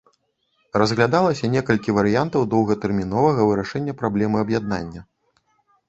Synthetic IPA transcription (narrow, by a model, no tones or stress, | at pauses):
rɐzɣlʲad̪alˠɐsʲɐnʲɛkɐlʲkʲivɐɾɨjant̪ɐwd̪ɔwɣɐt̪ɛrmʲinɔvɐɣɐvɨɾaʂɛnʲːɐpɾablʲɛmɨɐbjad̪̚na̰nʲːɐ